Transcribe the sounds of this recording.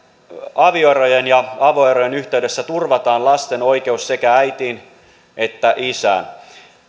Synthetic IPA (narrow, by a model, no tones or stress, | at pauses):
ɑʋioeɾojenjɑɑʋoeɾojenyçt̪e̞yde̞sːæt̪urʋɑt̪ɑːnlɑst̪e̞no̞jke̞usse̞kææjt̪iːn | ʔet̪ːæʔisæ̰ːn